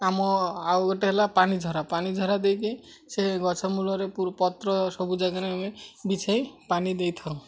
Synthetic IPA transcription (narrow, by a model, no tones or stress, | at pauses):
amɔawɡɔʈeɦelapanid͡ʒʱɔɾapanid͡ʒʱɔɾad̪ejki | seɡɔt͡ʃʰɔmulɔɾepuɾpɔt̪ɾɔsɔbud͡ʒaɡaneamebit͡ʃʰajpanid̪ejt̪ʰɔɾũ